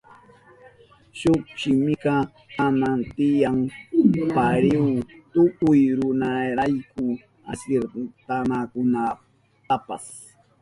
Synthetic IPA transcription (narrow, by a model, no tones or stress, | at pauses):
ʃʊχʃɪmɪkɑ | amant̪ɪjaŋpaɾɪwt̪ʊkʊjɾʊnaɾajkʊ | a̰seɾt̪anakʊna | t̪apa̰s